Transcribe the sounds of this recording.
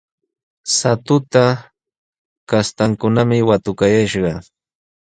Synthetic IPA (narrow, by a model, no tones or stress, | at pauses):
sat̪ʊt̪a | kast̪aŋkʊnamɪwat̪ʊkajaʃɢɑ